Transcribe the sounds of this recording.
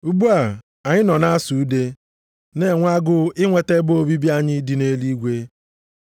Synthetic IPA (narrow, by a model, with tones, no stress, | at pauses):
u˦bu˦a˨ | a˨ɲɪ˦nɔ˨na˦su˨u˦de˦ | ne˦˨ŋʷ˦a˦ɡʊ˦ɪ˦ŋʷe˨te˦bo˦bi˦bi˦a˦ɲɪ˦di˨ne˦li˦ɡʷe˦